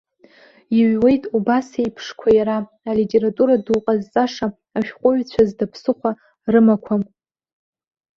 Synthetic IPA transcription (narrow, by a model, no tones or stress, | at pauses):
iɥwe̞jtʼubasajpʰʂkʷʰajaɾa | alitʼe̞ɾatʼuɾaduqʼazt͡sʼaʂa | aʃᶣqʷʼʊɥt͡ɕʷʰazdapʰsɨχʷa | rɨmakʷʰam